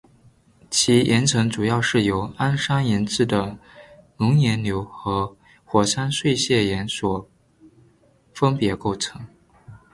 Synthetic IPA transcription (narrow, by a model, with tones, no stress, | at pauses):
t͡ɕʰi˧˥jʔɛ˧˥nt͡sʰɤ˧˥ŋt͡su˨˩jɑ˥˧ʊʂɻ̩˥˩jo˧˥ʊa˥nʂa˥njɛ˧˥nt͡sɹ̩˥˩d̪ə˩nʊ˧˥ŋjɛ˧˥nljo˧˥ʊxɤ˧˥ | xwɔ˨˩ʂa˥nswe˥˧ɪɕjɛ˥˩jɛ˧˥nswɔ˨˩ | fə˥npjɛ˧˥ko˥˩ʊt͡sʰɤ˧˥ŋ